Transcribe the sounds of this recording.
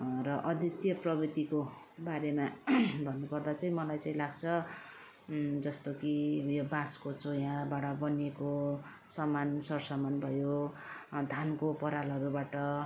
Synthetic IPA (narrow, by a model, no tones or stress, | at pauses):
rʌʔʌd̪ʱjʌt̪jʌprʌbit̪iko | baɾemabʱʌnːukʌrd̪at͡saĩmʌlajt͡saĩlaɡt͡sʰʌ | d͡zʌst̪okijobãskot͡sojãbaɽʌbʌneko | sʌmansʌrsʌmanbʱʌjo | d̪ʱankopʌɾalʌɾubaʈʌ